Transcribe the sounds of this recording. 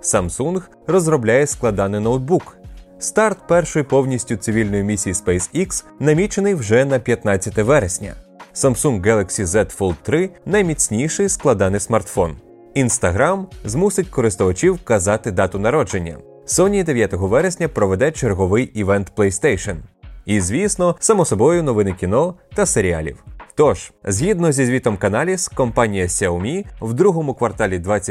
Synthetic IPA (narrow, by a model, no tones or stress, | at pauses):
sɐmsunɣ | rɔzrɾɔblʲajɛsklˠɐd̪ɑnɪnɔwd̪̚bukst̪ɑrt̪pɛrʃɔjipɔwnʲisʲtʲʊt̪sɪʋʲilʲnɔjimʲisʲijispɛjsiks | nɐmʲit͡ʃenɪjwʒɛnɐpʲjɐt̪nɑt͡sʲːɐt̪ɛʋɛɾesʲnʲɐ̰ | sɐmsunɡːɛlˠɐksʲizɛt̪fɔlˠt̪ːɾɪnɐjmʲit͡sʲnʲijʃɪjsklˠɐd̪ɑnɪsmɐrt̪fɔn | inst̪ɐɦɾɑmzmusɪt̚ʲkɔɾɪst̪ʊʋɐt͡ʃʲiwkɐzɑt̪ɪd̪ɑt̪ʊnɐɾɔd͡ʒenʲːɐ̰ | sɔnʲiid̪eʋjat̪ɔɦɔʋɛɾesʲnʲɐpɾɔʋɛd̪ɛt͡ʃerɦɔʋɪjiʋɛnt̪plˠɛjst̪ɛjʃɔnizʲʋʲisnɔsɐmɔsɔbɔjʊnɔʋɪnɪkʲinɔt̪ɐseɾʲia̰lʲḭwt̪ɔʒ̥zʲɦʲid̪nɔzʲizʲʋʲit̪ɔmkɐnɑlʲiskɔmpɑnʲijɐsʲɛʊmʲiwd̪ɾuɦɔmʊkʋɐrt̪ɑlʲid̪ʋat͡sʲːɐ